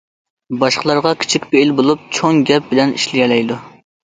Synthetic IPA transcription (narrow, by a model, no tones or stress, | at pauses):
bɑʃqəlˠɑɾʁɑkʲʰi̥t͡ʃʰikʲbeilbolˠup̚t͡ʃʰoŋɡʲɛp̚bɪlɛnḭʃlɪjʲɛlɛjd̪u